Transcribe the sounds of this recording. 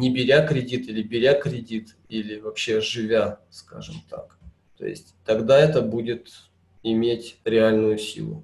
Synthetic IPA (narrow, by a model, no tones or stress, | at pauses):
nʲɪbʲɪɾʲakɾʲɪdʲit̪ilʲɪbʲɪɾʲakɾʲɪdʲit̪ | ilʲɪvɐpɕːe̞ʐɨvʲaska̰ʐɨ̰mt̪a̰k | t̪o̞̰jɪ̰sʲtʲt̪ɐɡd̪aɛt̪əbudʲɪt̪ | ɪmʲetʲɾʲɪalʲnʊjʊsʲḭlˠʊ̰